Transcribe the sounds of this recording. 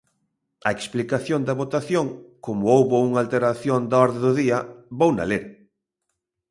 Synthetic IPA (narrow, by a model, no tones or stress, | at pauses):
ɐeksplikaθjond̪ɐβot̪aθjoŋkomʊowβʊuŋalt̪eɾaθjond̪aɔɾðɪðʊðiɐβowna̰leɾ